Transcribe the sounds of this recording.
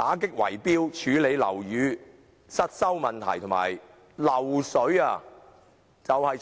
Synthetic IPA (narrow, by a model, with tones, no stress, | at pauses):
t̪aː˨˥k̬ɪ˥k̚wɐ̰˨˩jpiː˥wt͡ʃʰyː˨˧le˨˧jlɐ̰˨˩wjyː˨˧ | sɐ˥t̚sɐ˥wmɐ˨˩nt̪ʰɐ̰˨˩jt̪ʰʊ˨˩ma̰ː˨˩j | lɐ˨˩wsɵ˨˥ɥa˧ | t͡sɐ˨whɐ˨˧j